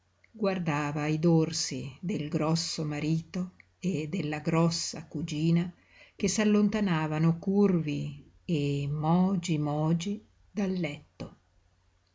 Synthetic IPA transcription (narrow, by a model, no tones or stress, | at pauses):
ɡward̪aːvaid̪orsid̪elɡɾɔsːomaɾiːt̪o | ed̪elːaɡɾɔsːa̰kud͡ʒiːna | k̟esalːont̪anaːvanokurvi | emɔːd͡ʒimɔːd͡ʒi | d̪alːɛt̪ːo